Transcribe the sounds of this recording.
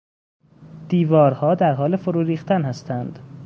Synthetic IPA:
d̪̥iːvɒːɾhɒːd̪æɾɦɒːlefoɾuːɾiːxt̪ʰænhæst̪ʰænd̪̥

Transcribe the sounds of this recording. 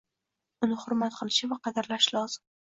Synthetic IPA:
ʊnɪhʊɾmat̪qʰɨlˠɪʃɪvaqʰɑd̪ɪɾlaʃlɒz̥ɪm

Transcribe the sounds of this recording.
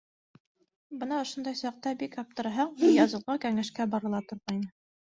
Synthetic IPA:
bɤnɑŏʃŏnd̪ɑjsɑq̚t̪ɑbikɑp̚t̪ɤ̆ɾɦɑɴbujɑzɤ̆lˠʁɤkæŋæʃkæbɑɾɤ̆lˠɑt̪ŏɾʁɑjnɤ

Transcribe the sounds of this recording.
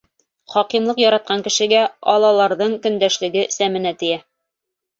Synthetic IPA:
χɒqimlˠɤqjɒɾɑt̪̚qɑŋkɘ̆ʃɘ̆ɡæɒlˠɑlˠɑɾðɤɴkɵ̆nd̪æʃlɘ̆ɡɘsæmɘ̆næt̪ɘ̆jæ

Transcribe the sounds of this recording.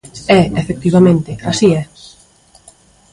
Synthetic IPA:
ɛefek̚t̪iβ̞amẽnt̪ɪasiɛ

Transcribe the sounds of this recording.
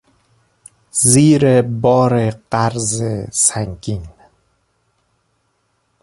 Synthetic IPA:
ziːɾebɒːɾeɢæɾzesæŋɡʲin

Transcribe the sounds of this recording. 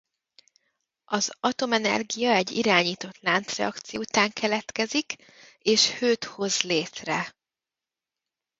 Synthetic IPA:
ʔɒzɒt̪o̞mɛnɛ̰rɡijɒɛɟːḭɾaːɲiːt̪o̞t̪laːnt̪srɛ̰ɒkt̪sijut̪aːŋkʰɛlɛt̪kɛzik | eːʃhøːt̪ho̞zleːt̪rɛ

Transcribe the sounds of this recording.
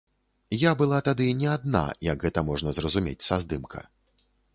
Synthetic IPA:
jabɨlˠat̪ad̪ɨnʲɛad̪̚na̰jɐɡɣɛt̪ɐmɔʐnɐzrɐzumʲḛt͡sʲsazd̪ɨmkʰɐ̰

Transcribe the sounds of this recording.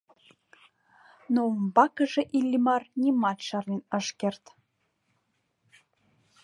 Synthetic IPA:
nombɑkə̆ʒeʔilʲːimɑrnʲimɑt̪ʃɑrlenəʃkert̪

